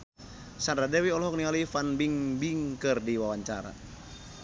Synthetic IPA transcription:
sandɾadɛwiɔlɔɦɔk̚nialifanbiŋbiŋkɨrdiwawaɲt͡ʃaɾa̰

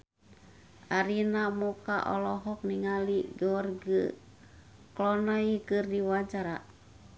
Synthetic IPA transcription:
ʔaɾinamukaʔɔ̰lɔɦɔk̚niŋaliɡɔwarɡə | klɔnaikɨrdiwat͡ʃaɾa

